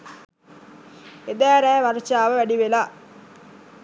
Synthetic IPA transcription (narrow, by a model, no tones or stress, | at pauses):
ed̪æːɾɛːʋaɾt͡ʃaːʋəʋæɖiʋela